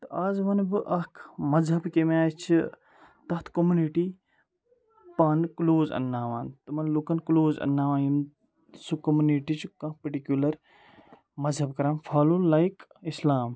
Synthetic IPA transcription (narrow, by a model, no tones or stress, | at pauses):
t̪ɐʔaːzʋɐnbɨʔɐkʰmɐzɦɐbkemaːjt͡ʃʰi | t̪ɐt̪ʰkomuniʈiː | paːnkloːzɐ̰nːaːʋaːnt̪ɐmɐnlukɐnkloːzɐ̰nːaːʋãːjim | sukɐmuniʈit͡ʃʰkɐ̃pɐʈikjulɐɾ | mɐzɦɐbkɐɾaːmfʰaːlulaikislaːm